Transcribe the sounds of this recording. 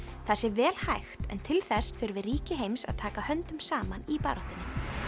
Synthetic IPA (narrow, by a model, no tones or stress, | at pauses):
θasɪvɛːlhajxt̪ɛ̰nt̪ʰɪlθɛsθʏɾvɪriːcɪɦejmsa̰ðt̪ʰaːkahœnt̪ʏmsaːmanipa̰ːɾɔht̪ʏnːɪ